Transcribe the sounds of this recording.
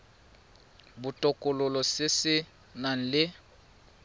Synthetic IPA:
bʊtʼɔkʼʊlʊlɔsɪsɪ | nan̩lɪ

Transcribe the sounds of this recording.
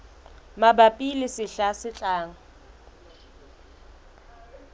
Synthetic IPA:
mabapʼilɪsɪɬasɪt͡ɬʼaːŋ̩

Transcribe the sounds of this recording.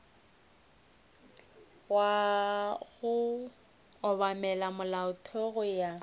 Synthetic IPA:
wa | ɣʊː | βamɛlamʊlaʊtʰɔɣʊja

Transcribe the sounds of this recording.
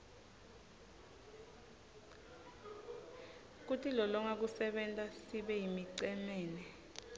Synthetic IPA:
k̬utʰilɔlɔŋak̬usɛɓɛntʼasiɓɛjimiǀɛmɛːnɛ

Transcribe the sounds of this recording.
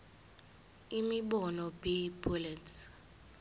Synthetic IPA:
imiɓɔnɔbibulɛtʰ

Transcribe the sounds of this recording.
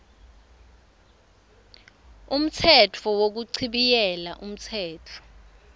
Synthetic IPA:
um̩t͡sʰɛtʰɔwok̬uǀʰiɓijɛlaʔum̩t͡sʰɛːtʰɔ̥

